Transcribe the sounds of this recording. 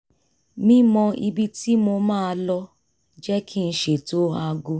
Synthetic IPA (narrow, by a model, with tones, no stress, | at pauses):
mĩ˦mɔ̃˧i˧bi˦ti˦mo˧mãː˦˧lɔ˧ | d͡ʒɛ˦kʰi˦˧n̩˧ʃe˨to˦a˧ɡo˧